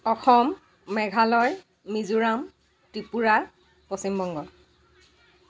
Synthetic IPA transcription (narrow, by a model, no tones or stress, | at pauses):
ɔxɔmː | ɛɡʱalɔj | mizuɹam | tipuɹa | posimbɔŋɡɔ